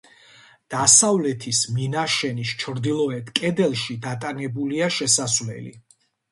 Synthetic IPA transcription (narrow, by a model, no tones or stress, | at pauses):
d̪̥asavlɛt̪ʰisminaʃɛnist͡ʃʰɾd̪ilˠɔɛt̪ʰkʼɛd̪ɛlˠʃid̪at̪ʼanɛbuliaʃɛsasvlɛ̰lḭ